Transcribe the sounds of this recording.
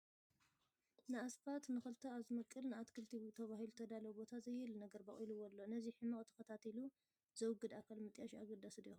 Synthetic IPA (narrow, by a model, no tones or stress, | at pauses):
nɨasfat̪nɨxɨlt̪ʰɐaβzɨmɐkʼːɨlnɨat̪kʰɨlt̪ʰiut̪ʰɐβaɦilut̪ʰɐd̪alɐwbo̞t̪ʰazɐjːɨlnɐɡɐɾbɐ̰χʼilɨwɔlːo̞nɐziħɨmɐkʼt̪ʰɐ̥kɐt̪ʰat̪ʰilu | zɐwɨɡɨd̪akʰalmɨt̪ʼjaʃaɡɐd̪asɨd̪ix